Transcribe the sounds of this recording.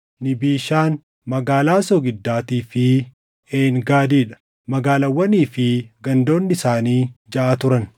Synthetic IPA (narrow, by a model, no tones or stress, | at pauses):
nɪbiːʃaːn | mɐɡaːlaːsɔɡɪd̪ːaːt̪iːfɪ | eːŋɡaːd̪iːᶑɐ̥ | mɐɡaːlɐwːɐniːfɪɡɐnd̪o̞ːnːɪsaːniːd͡ʒɐʔat̪ʊɾɐn